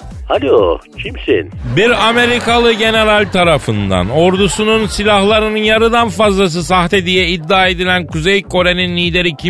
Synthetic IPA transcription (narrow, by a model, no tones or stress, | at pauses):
halʲocʰimsḭnbiɾame̞ɾikalˠɯɟe̞ne̞ɾalʲt̪ʰaɾafɯnd̪a̰no̞ɾd̪usununsilʲahlˠaɾɯnɯnjaɾɯd̪anfazlˠas̬ɯsaht̪ed̪ijɛid̪ːaːe̞d̪ilʲænkuzejkʰo̞ɾe̞ninːiːd̪e̞ɾicʰi